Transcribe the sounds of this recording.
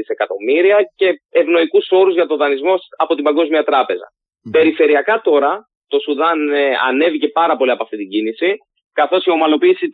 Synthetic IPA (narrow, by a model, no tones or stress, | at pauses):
ise̞kɐt̪o̞miɾiɐce̞evno̞ikuso̞ɾuzʝɐt̪o̞ðɐnizmo̞sɐpo̞t̪imbɐŋɡo̞zmiɐt̪ɾɐpe̞zɐ̰ | pe̞ɾife̞ɾiɐkɐt̪o̞ɾɐ | t̪o̞suðɐnɐ̰ne̞vice̞pɐɾɐpo̞liɐpoɐft̪it̪iɟinisi | kɐθo̞sio̞mɐlo̞piːsi